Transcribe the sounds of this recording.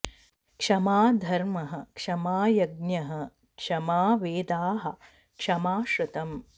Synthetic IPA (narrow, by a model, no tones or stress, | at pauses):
kʂɐmaːd̪ʱɐɾmɐɦɐ̆kʂɐmaːjɐɡ̚njɐɦɐ | kʂɐmaːʋeːd̪aːɦɐ̆ | kʂɐmaːʃɾɐt̪ɐm